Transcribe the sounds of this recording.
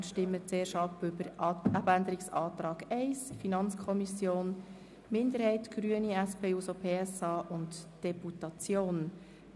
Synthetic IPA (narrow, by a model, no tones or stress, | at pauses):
ʃtɪmːət͡seːɾʃɑpʏbəɾɑbænd̪əɾɪksɑːt̪ɾɑːɡɛɪsfinɑnt͡skʰɔmisjoːn | mɪndəɾhɛɪtɡ̥ɾyəniæspʰeːusopʰeːɛsɑːʔʊntd̥ɛputɑt͡sjoːn